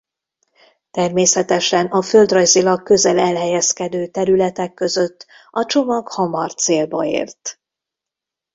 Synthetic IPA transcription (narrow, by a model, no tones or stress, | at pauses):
t̪ɛrmeːsɛt̪ɛʃɛnɒfø̞ld̪rɒjzilɒkːø̞zɛlɛlɦɛjɛskɛd̪øːt̪ɛɾylɛt̪ɛkːø̞zø̞t̪ː | ɒt͡ʃo̞mɒɡhɒmɒrt̪seːlbɒḛːrt̪